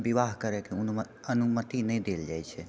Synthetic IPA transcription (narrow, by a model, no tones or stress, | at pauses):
biʋaːɦkəɾekeʊnmə | ənumət̪inɛĩd̪eːld͡ʒaːjt͡ʃʰɛ